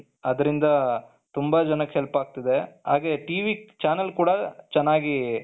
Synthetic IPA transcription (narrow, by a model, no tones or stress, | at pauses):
ɐd̪ɐɾind̪ɐ | t̪umbɐd͡ʒɐnɐkːɦelpaːɡ̚t̪id̪eɦa̰ːɡeʈiːʋit͡ʃaːnɐlkuːɽɐt͡ʃɛnːaːɡi